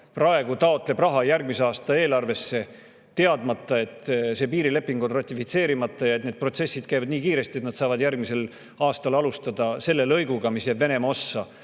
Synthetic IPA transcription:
prɑe̞ɡ̥ut̪ɑo̞t̪ːˑle̞brɑɦɑjærɡ̥̚mise̞ɑːst̪ɑe̞ːlɑrve̞sːe̞ | t̪e̞ɑd̪mɑt̪ˑːɑe̞t̪ːse̞piːɾile̞pːiŋɡ̥onrɑt̪ʲːifit̪se̞ːɾimɑt̪ːˑɑjɑet̪ned̪̚pro̞t̪se̞sːid̪̥kæjvɑd̪niːkiːɾe̞st̪iet̪nd̪sɑːvɑd̪jærɡmise̞l | ɑːst̪ɑlɑlust̪ɑd̪̥ɑse̞lːe̞lɤjɡ̥uɡ̥ɑmisjæbve̞ne̞mɑo̞sːɑ

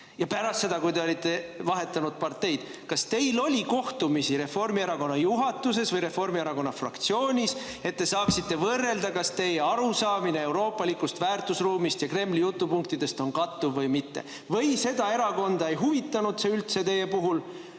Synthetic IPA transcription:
jɑpæɾɑst̪se̞d̪ɑkujd̪e̞o̞lʲit̪ːˑe̞vɑɦe̞t̪ːˑɑnud̪̥̚pɑrt̪e̞jd̪̥ | kɑst̪e̞jlo̞lʲiko̞ht̪umisiɾe̞fo̞rmieɾɑko̞nːɑjuɦɑt̪ːˑuse̞svɤjɾe̞fo̞rmieɾɑko̞nːɑfrɑ̰kt̪sio̞ːnʲis | e̞t̪ːe̞sɑːksit̪ːe̞vɤrːe̞ld̪ɑkɑst̪e̞jeɑɾusɑːminee̞wɾo̞ːpːˑɑlikːust̪væːrt̪usruːmist̪jɑkre̞mːlijut̪ːupuŋk̚t̪id̪̥e̞st̪o̞nkɑt̪ːuvːɤjmit̪ːe̞̰ | vɤjse̞d̪̥ɑe̞ɾɑko̞nd̪̥ɑejɦuvit̪ːˑɑnud̪̥seylt̪se̞t̪e̞je̞puɦul

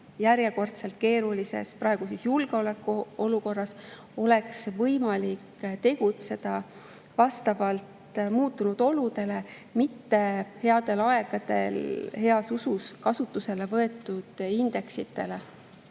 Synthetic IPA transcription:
jæɾje̞ko̞rt̪se̞lt̪̚ke̞ːɾulise̞̰spɾɑe̞ɡ̥usisjulɡ̥eo̞le̞kːˑuo̞luko̞rːɑs | o̞le̞ksvɤjmɑlikt̪e̞ɡ̥ut̪se̞d̪̥ɑ | vɑst̪ɑvɑlt̪muːt̪ːˑunud̪̥o̞lud̪e̞le̞ | mit̪ːe̞he̞ɑd̪̥e̞lɑeɡ̥ɑd̪̥e̞̰lhe̞ɑsususkɑsut̪ːˑuse̞le̞vɤe̞t̪ːˑud̪̥ind̪̥e̞ksit̪ːˑe̞le

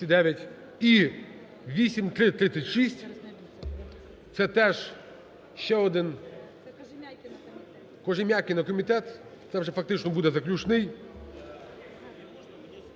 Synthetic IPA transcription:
ɪd̪ɛʋʲjɐtʲ | i | vʲisʲɪmʲt̪ɾɪt̪ɾɪt̪sːətʲʂisʲtʲ | t̪sɛt̪ɛʂ | ɕːɛɔd̪ɪn | kɔʐɪmʲakʲɪnɐkɔmʲɪt̪ɛt̪t̪sɛvʐɛfɐk̚t̪ɪt͡ʃnɔbud̪ɛzɐklʲut͡ʂnɨj

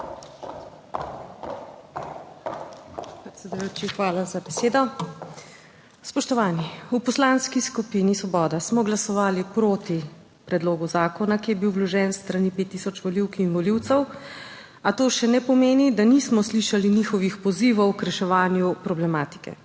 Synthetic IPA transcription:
pɾɛt̪sʲɛd̪ujoːt͡ʃixʋaːlazabɛseːd̪ɔ | spɔʃt̪ɔʋaːniupɔslanskiskupinisʋɔbɔːd̪asmɔɡlasɔʋaːlipɾoːt̪i | pɾɛd̪loːɡuzaːkɔnakijɛbiwblɔʒɛːnst̪ɾanipet̪ːiːsɔt͡ʃʋɔliwkinʋɔliwt̪sɛw | at̪oːʃɛnɛpɔmeːnid̪anismɔsliʃalinixɔʋixpɔziʋɔwkɾɛʃɛʋaːnjupɾɔblɛmaːt̪i̥kɛ̰

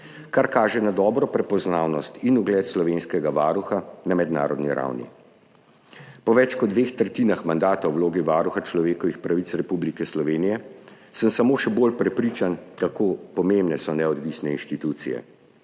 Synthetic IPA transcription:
kaɾkaːʒɛnad̪ɔːbɾɔpɾɛpɔznaːwnɔst̪inuɡlɛːt̪slɔʋenskɛɡaʋaːɾuxanamɛd̪na̰ːɾɔd̪nḭɾa̰wnḭ | pɔʋɛt͡ʃkɔd̪ʋeːxt̪ɾɛt̪iːnaxmand̪aːt̪awwloːɡiʋaːɾuxat͡ʃlɔʋeːkɔʋixpɾaʋit͡ssɾɛpublikɛslɔʋeːnijɛ | səmsamoːʃɛboːlpɾɛpɾiːt͡ʃankakoːpɔmembnɛsɔnɛɔd̪ʋisnɛinʃt̪it̪ut̪sijɛ̰

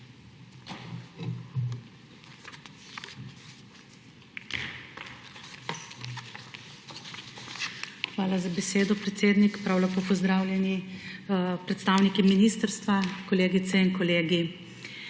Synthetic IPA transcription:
xʋaːlazabɛseːd̪ɔpɾɛt̪seːd̪nikpɾawlapoːpɔzd̪ɾaːwlʲjɛni | pɾɛt̪st̪aːwnikiminiːst̪əɾst̪ʋakɔleːɡit̪sɛinkɔleːɡi

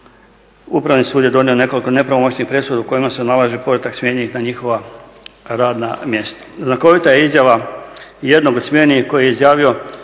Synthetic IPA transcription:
upɾaʋnisuːd̪je̞d̪o̞nio̞ne̞ko̞liko̞ne̞pɾaʋomo̞t͡ɕnixpɾe̞sud̪uko̞jimase̞nalˠaʒipo̞ɾat̪aksmje̞ɲeixnaɲixo̞ʋa | ɾaːd̪namje̞st̪ḁznako̞ʋit̪ajeizjaʋaje̞d̪no̞ɡosmje̞niko̞jeizjaːʋio̞

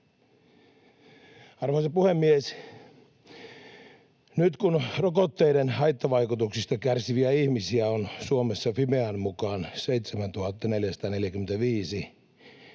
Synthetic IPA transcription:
ɑrʋɑhɑsepuhemːies | nyt̪kunrokot̪ːeidenhɑjt̪ːɑʋɑjkut̪uksist̪ɑkærsiʋiæihmisiæonsuomesːɑfimeɑnmukɑːnsejt̪semænt̪uhɑt̪ːɑneljæst̪ɑːneljækyment̪æʋiːsi

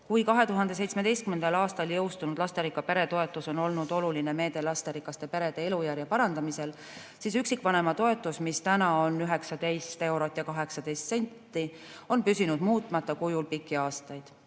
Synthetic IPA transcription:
kujkɑɦe̞t̪uɦɑnd̪̥e̞s̬e̞jt̪sme̞d̪e̞jst̪kymend̪ɑlɑːst̪ɑljɤwst̪unud̪̥lɑst̪eɾikːˑɑpe̞ɾe̞t̪o̞e̞t̪ːˑuso̞no̞lnud̪o̞luline̞me̞ːd̪̥e̞lɑst̪eɾikːˑɑst̪e̞pe̞ɾe̞d̪̥e̞e̞lujæɾjɑpɑɾɑnd̪̥ɑmise̞l | sisyksikːˑvɑne̞mɑt̪o̞e̞t̪ːˑusmist̪ænɑonyɦe̞ksɑd̪e̞jst̪e̞wɾo̞t̪ːˑjɑkɑɦe̞ksɑd̪ejst̪se̞nʲt̪ːi | o̞npysinud̪̥muːt̪ːˑmɑt̪ːˑɑkujulpikːiɑːst̪ɑjd̪̥

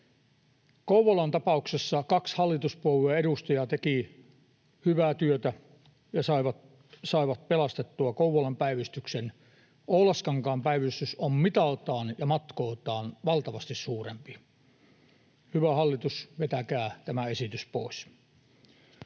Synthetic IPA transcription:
kouʋolɑnt̪ɑpɑuksesːɑkɑkshɑlːit̪uspuoweːeɾust̪ɑjɑt̪eki | hyʋæːt̪yøt̪æ | jɑsɑiʋɑ | sɑiʋɑt̪̚pelɑst̪et̪ːuɑkouʋolɑmpæiʋist̪yksen | ʔoulɑskɑŋkɑːmpæiʋist̪ysommit̪ɑlt̪ɑːnjɑmɑt̪koːt̪ˑɑːnʋɑlt̪ɑʋɑst̪issuːrempi | hyʋæhɑlːit̪usʋet̪ækæːt̪æmæesit̪yspo̰ˑis

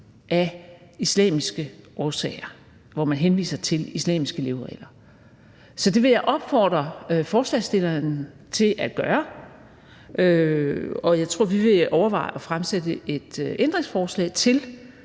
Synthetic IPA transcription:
ʔæislɛ̰ːmisɡ̥əʔɒːsɛ̰ɪɐ | ʋɒmænɦenʋḭːsɐt͡sʰe̝lislɛ̰ːmisɡ̥əle̝ʊʁɛ̰ɪlɐ | sɒ̽d̥e̝ʋe̝jaɪʔɒ̽b̥fɒ̰ːd̥ʁɐfɒːslɛsd̥e̝lɐn | t͡sʰe̝ʔæd̥̚ɡ̥ɶːɐ | ʔø | ɒ̽jɑ̈ɪt͡sʰʁo̝ɐ̰ʋiʋe̝ʔɒʊɐʋɑ̈ɪɒ̽fʁamsedəʔe̝d̥ʔend̥ʁeŋsfɒːslɛ̰ːɪt͡sʰe̝l

